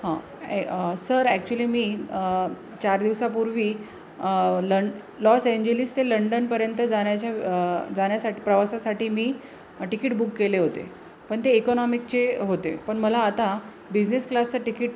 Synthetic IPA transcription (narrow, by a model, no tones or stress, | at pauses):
ɦã | səɾæk̚t͡ɕuəliːmiː | t͡ɕaɾd̪iʋsapuɾʋiː | lə | lɔsẽɲd͡ʑelist̪eləɳɖənpəɾjənt̪əd͡zaɳjat͡ɕjad͡zaɳjasaʈiːpɾəʋasasaʈiːmiː | ʈikiʈbukːeleɦot̪ḛ | pəɳt̪eːkɔnɔmik̚t͡ɕeɦot̪ḛpəɳməlaːt̪a | bid͡ʑnesklast͡səʈikiʈ̚